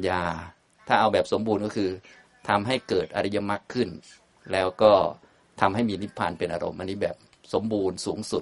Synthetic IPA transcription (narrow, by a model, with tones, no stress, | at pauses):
jaː˧ | t̪ʰaː˥˩ʔa˧wbɛː˨˩p̚so˩˦mbuː˧nkɔ˥˩kʰɯː˧ | t̪ʰa˧mɦa˥˩jkɤː˨˩t̪̚ʔa̰˧ɾa˦˥ja˧ma˦˥kʰːɯ˥˩n | lɛː˦˥wkɔː˥˩ | t̪ʰa˧mɦa˥˩jmiː˧ni˦˥pʰːaː˧npe˧nʔaː˧ɾo̰˧mʔa˧nːiː˦˥bɛ̰ː˨˩p̚ | so˩˦mbuː˧nsuː˩˦ŋsu˨˩t̪̚